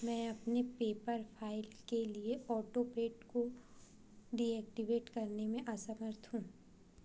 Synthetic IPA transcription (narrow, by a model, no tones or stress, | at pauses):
mɛ̃ːɐpnepeːpəɾpʰaːɪlkelieʔɔːʈopɾeːʈko | ɖiɛːk̚ʈiʋeːʈkɐɾnemẽʔɐsəməɾt̪ʰɦũː